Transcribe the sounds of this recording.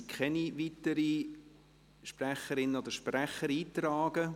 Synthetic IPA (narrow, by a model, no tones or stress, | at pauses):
kʰχɛniʋit̪əɾi | ʃpræχəɾɪnːəod̪əʃpræχəɾiːt̪rɑːɡ̥ə